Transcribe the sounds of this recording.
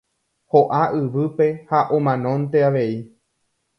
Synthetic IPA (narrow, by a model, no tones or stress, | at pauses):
hoʔaʔɨʋɨpe̞haʔõmãnõ̞nt̪e̞aʋe̞i